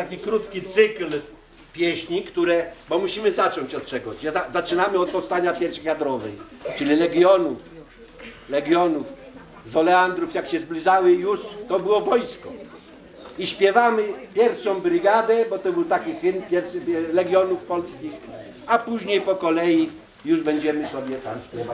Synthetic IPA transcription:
t̪akʲikɾut̪kʲit̪sɘkl | pʲjɛɕɲikt̪uɾɛbɔmuɕimɘzat͡ʂɔɲt͡ɕɔt̪̚t͡ʂɛɡɔt͡ɕɛazat͡ʂɘnamɘɔt̪̚pɔfst̪aɲapʲjɛɾɕɛjad̪ɾɔvɛjt͡ʂɘlʲilɛɡʲjɔnuf | lɛɡʲjɔnuf | zɔlɛand̪ɾufjakɕɛzblʲiʐawɘjuʂt̪ɔbɘwɔvɔjskɔ | iɕpʲjɛvamɘpʲjɛɾfʂɔ̃w̃bɾɘɡad̪ɛbɔt̪ɔbɘwt̪akʲixɘnpʲjɛɾfʂɘlɛɡʲjɔnufpɔlskʲix | apuʑɲejpɔkɔlɛji | juʐbɛɲd͡ʑɛmɘsɔbʲjɛt̪amɕpʲɛva

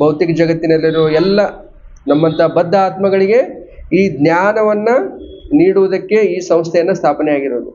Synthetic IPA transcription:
bɐwt̪ikɐd͡ʒɐɡɐt̪ːinɐlːɐɾɔʋɛlːɐ | nɐmːɐnt̪ɐbɐd̪ːaːt̪mɐɡɐɭiɡe̞ | iːd̪njaːnɐʋɐnːɐniːɽuʋud̪ɐkːe̞iːsɐmst̪ʰɛjɐnːɐst̪ʰaːpɐnɛjaːɡiɾoːd̪u

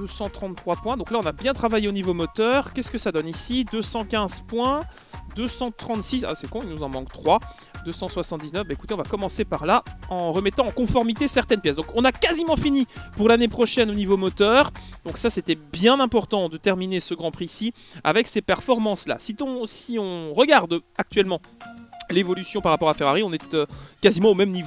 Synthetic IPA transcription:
d̪øsɑ̃t̪χɑ̃t̪ːχwapwɛ̃d̪ɔ̃klaɔ̃nabjɛ̃t̪χavajeonivomɔt̪œʁkʲɛskəsad̪ɔnisid̪øsɑ̃kʲɛ̃zpwɛ̃ | d̪øsɑ̃t̪χɑ̃t̪sisa̰sɛkɔ̃ilnuzɑ̃mɑ̃kt̪χwa | d̪øsɑ̃swasɑ̃t̪d̪iznœfbaekut̪eɔ̃vakɔmɑ̃sepaʁlaɑ̃ʁəmɛt̪ɑ̃ːkɔ̃fɔʁmit̪esɛʁt̪ɛnpjɛsd̪ɔ̃kɔ̃nakazimɑ̃finipuʁlanepχɔʃɛnonivomɔt̪œːʁd̪̥ɔ̃ksasɛt̪ɛbjɛ̃nɛ̃pɔʁt̪ɑ̃d̪ət̪ɛʁminesəɡʁɑ̃pχisi | a̰vɛksepɛʁfɔʁmɑ̃sla̰sit̪ɔ̃siɔ̃ʁəɡaʁd̪ak̚t̪ɥɛlmɑ̃levɔlysjɔ̃paʁːapɔʁafeʁaʁiɔ̃nɛt̪økazimɑ̃omɛmnivo

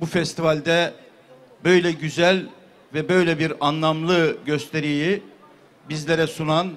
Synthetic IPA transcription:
bufɛst̪ʰivalʲd̪ɛ | bø̞jlʲɛɟyzælʲ | vɛbø̞jlʲɛbiɾanlˠamlˠɯɟø̞st̪ʰe̞ɾiji | bizlʲeɾɛsunan

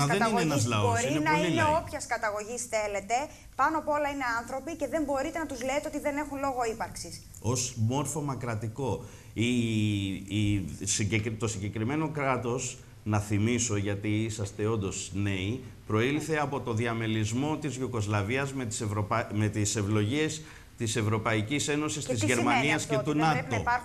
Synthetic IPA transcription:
ɐɐðeɐineenɐzlɐosoɾinenɐolileo̞pçɐskɐt̪ɐɣo̞ʝisθe̞le̞t̪e̞ | pɐnoɐpoo̞lɐine̞ɐnθɾo̞pice̞ðe̞mbo̞ɾit̪e̞nɐt̪uzle̞et̪eo̞t̪iðe̞ne̞xunlo̞ɣo̞ipɐɾksis | o̞smo̞ɾfo̞mɐkɾɐt̪iko̞ | i | siɟekt̪o̞siɲɟe̞kɾime̞no̞kɾɐt̪o̞s | nɐθimiso̞ʝɐt̪iisɐst̪e̞o̞nd̪o̞zne̞i | pɾo̞ilθe̞ɐpo̞t̪o̞nðiɐme̞lizmo̞t̪izʝuko̞zlɐviɐzmet̪i̥sɾome̞t̪ise̞vlo̞ʝies | t̪ise̞vɾo̞pɐicise̞no̞sist̪izʝeɾmɐniɐsce̞t̪unnɐt̪o̞

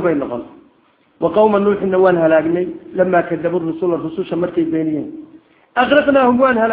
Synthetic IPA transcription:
βɛjnɔqɔ̰n | wɑqɑwmɐnːuːħɪnːɐwɑːnhɐlaːɡnɛjlɐmːaːkʰɐðɐβʊrʊsʊlɐrʊsʊʃɐmɐrkʰɛjbɛːnɪjɛːn | ʔɑχɾɑqnaːhʊmwɑːnhɐlː

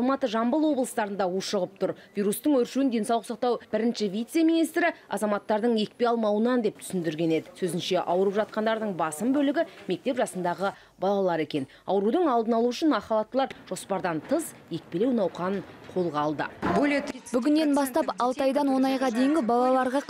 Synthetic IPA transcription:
ɑlˠmɑt̪əʒɑmbəlˠwo̞blˠəst̪ɑɾənd̪ɑwuʃəʁəp̚t̪ʰʊɾvʲijɾust̪əɴwɵɾʃuwɪnd̪e̞nsɑwlˠəqsɑq̚t̪ɑwb̥ɪɾɪnʃɪvijt̪se̞mijnijst̪ɾɪɑ̰zɑmɑt̪ːɑɾd̪əɴje̞k̚pe̞ɑlˠmɑwənɑnd̪e̞p̚t̪ʰʏ̥sɪnd̪ɪɾɡʲe̞ne̞d̪ɪsɵzɪnʃe̞ʔɑwəɾəpʒɑt̪̚qɑnd̪ɑɾd̪əɴbɑsəmbɵlɪɡʲɪme̞k̚t̪e̞pʒɑsənd̪ɑʁə | bɑlˠɑlˠɑɾe̞kʲe̞n | ɑ̰wɾud̪əɴɑlˠd̪ənɑlˠuʏʃɪnmɑχɑlˠɑt̪ːəlˠɑɾʒ̥o̞spɑɾd̪ɑnt̪ʰəz | je̞k̚pe̞le̞wnɑwqɑnəɴqʰo̞lˠʁɑlˠd̪ə̰bolebʏɡʲɪnːe̞nbɑst̪ɑpɑlˠt̪ɑjd̪ɑnwo̞nɑjʁɑd̪e̞jɪŋɡʲɪbɑlˠɑlˠɑɾʁɑ

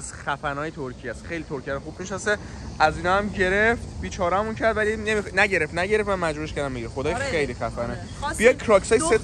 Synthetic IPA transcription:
z̥xæfænɒːjet̪ʰoɾcʰijæst̪xejlit̪ʰoɾcʰæɾɔxub̥miʃnɒseʔæziːnɒæmɟeɾeft̪biːt͡ʃʰɒːɾææmuncʰæɾd̪vælinemixnæɟe̞ɾeft̪næɟe̞ɾeft̪mænmæd͡ʒbuːɾeʃcæɾd̪æmːeɛxod̪ɒːjxejliːxæfæne | b̥ijɒd̪̚kʰɾɒːksɒːjse

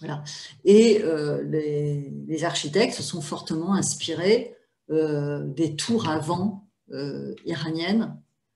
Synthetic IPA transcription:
vwalaeølelezaʁʃit̪ɛk̚t̪səsɔ̃fɔʁt̪əmɑ̃ɛ̃spiʁe | ød̪et̪ʰuʁavɑ̃ | ø̰iʁanjɛn

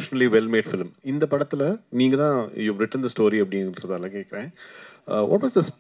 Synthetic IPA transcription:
ʃɐnɐliʋɛlmeːʈfɪlmɪnd̪ɐpɐɽɐt̪ːɪlɐniːŋɡɐt̪ãːjuːʋɾɪʈːənd̪ɐsʈoːɾiɐpːɐɽɪɾɐðaːlɐkeːkɪɾẽː | ʋɔ̰ʈʋɔːsd̪ɐs

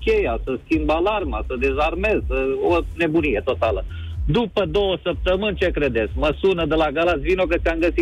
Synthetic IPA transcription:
kʲe̞jasəskʲimbalarmasəd̪e̞zarme̞zəone̞bunije̞t̪o̞t̪alə | d̪upəd̪o̞wəsəp̚t̪əmɨnʲt͡ʃe̞kɾe̞d̪et̪skməsunəd̪əlaɡalat̪sʲvinokət̪sʲiaŋɡəsi

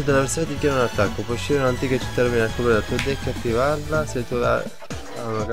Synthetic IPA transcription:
d̪alːaveɾsonet̪ikjanaunat̪ːakːopwɔʃːiɾunant̪iːkat͡ʃːi̥t̪ːaminakːopɾed̪at̪uad̪ɛkːeat̪ːivarlaset̪ːula̰ | anak

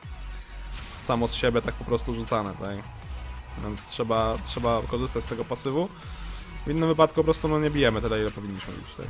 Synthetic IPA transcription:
samɔsɕebʲjɛt̪ak̚pɔpɾɔst̪uʐut̪sanɛt̪ak | vʲjɛnt̪stʂɛbatʂɛbakɔʐɘst̪at͡ɕst̪ɛɡɔpasɘvu | vinːɘmvɘpat̪kupɔpɾɔst̪unɔɲɛbʲijɛmɘt̪ɘlɛilɛpɔvʲiɲːiɕmɘ̰bʲḭt͡ɕt̪a̰k

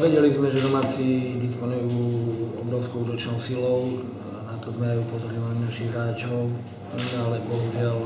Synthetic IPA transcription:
ʋɛɟɛlizmɛʒɛd̪ɔmaːt͡sid̪ispɔnujuːɔbɾɔʊskɔud̪ɔt͡ʃnɔʊsilɔʊ | nat̪ɔzmɛajupɔzɔɾiinanaʃiɣɾaːt͡ʃɔʊ | alɛbɔɦuʒɪal

